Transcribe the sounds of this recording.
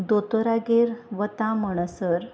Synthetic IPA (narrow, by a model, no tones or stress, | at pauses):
d̪ot̪əɾaɡeɾʋət̪ãməɳ̃əsəɾ